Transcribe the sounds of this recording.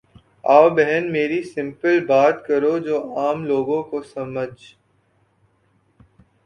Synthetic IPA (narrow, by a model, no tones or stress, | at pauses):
aːwbɛɦɛnmeːɾisɪ̃mpəlbaːt̪kɐɾod͡ʒoːaːmloːɡõkosɐməd͡ʒ